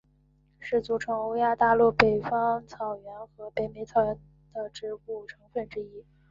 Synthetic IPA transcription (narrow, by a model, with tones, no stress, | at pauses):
ʂɻ̩˥˩t͡su˨˩ʈ͡ʂʰɤ˧˥ŋo˧˥ʊja˥t̪a˥˧lu˥˩pe˨˩ɪfɑ˥ŋt͡sʰɑ˨˩ʊɥɛ˧˥nxɤ˧˥pe˨˩ɪme˧˥ɪt͡sʰɑ˨˩ʊɥɛ˧˥n | d̪̥ə˧ʈ͡ʂɻ̩˧˥ku˥˩ʈ͡ʂʰɤ˧˥ŋfə˥˩nʈ͡ʂɻ̩˥i˥